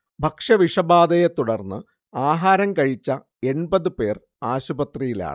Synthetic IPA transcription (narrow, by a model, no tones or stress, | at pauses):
bʱɐkʂɐʋiʂɐbaːd̪ɐjet̪uɽɐrnːɨ | aːɦaːɾɐmkɐɻit͡ɕːɐ | e̞nbɐðɨpe̞ːr | aːɕubɐt̪rijila̰ːɳɨ